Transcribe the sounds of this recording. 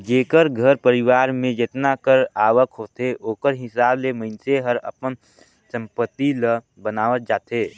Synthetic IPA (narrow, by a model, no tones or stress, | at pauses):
d͡ʒeːkəɾɡʱəɾpəɾɪwaːɾmẽd͡ʒet̪nakəɾaːʋəkʰɦoːt̪eʔoːkəɾɦɪsaːbleməɪnseɦəɾə̰pən | sə̃mpət̪ːilə | bənaːʋət̪̚d͡ʒaːt̪eː